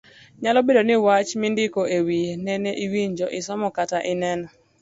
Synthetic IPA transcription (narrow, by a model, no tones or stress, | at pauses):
ɲalɔbedonɪwat͡ʃmɪndɪkoewijenɛneʔiwiɲd͡ʒɔʔɪsɔmɔkataʔɪnɛnɔ